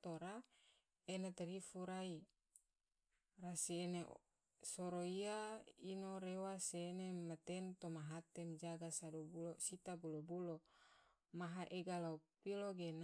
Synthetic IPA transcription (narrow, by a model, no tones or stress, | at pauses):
t̪oɾa | enat̪aɾifuɾai | rasiene | soɾoiainoɾewaseːnemat̪ɛnt̪omaɦat̪emd͡ʒaɡasadobulosit̪abulobulo | maɦaʔeɡalaupiloɡen